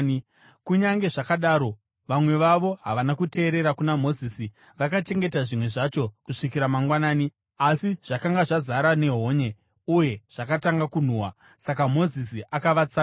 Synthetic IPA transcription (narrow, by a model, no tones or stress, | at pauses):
kuɲaŋɡe̞ʐakaɗaːɾo̞ | ʋamwe̞ʋaʋo̞ɦaʋanakute̞ːɾe̞ɾakunamo̞ziːsi | ʋakat͡ʃe̞ŋɡe̞taʐimwe̞ʐat͡ʃo̞kuʂik̬iɾamaŋɡwanaːni | asiʐ̥akaŋɡaʐazaɾane̞ɦo̞ɲe̞ | uje̞ʐ̥akataŋɡakun̤uːwa | sakamo̞zisiʔakaʋat͡sa